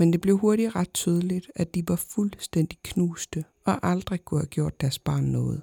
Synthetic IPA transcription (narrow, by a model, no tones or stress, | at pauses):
mend̥e̝b̥le̝ʊɦo̝ɐɾiʁɑ̈d̥̚t͡sʰyːð̞ˠəlid̥æd̥iʋɑ̈fulsd̥en̰d̥ikʰnuːsd̥ə | ɒ̽ʔɑ̈ld̥ʁikʰuhæɡ̥jo̝ɐ̰d̥ːæɐsb̥ɑ̰̈ːnːɔ̽ːð̞̩ˠ